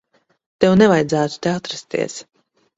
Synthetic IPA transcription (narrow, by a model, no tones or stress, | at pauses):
t̪ɛwnɛvajd̪zæːt̪u̥t̪eat̪ɾast̪ḭɛs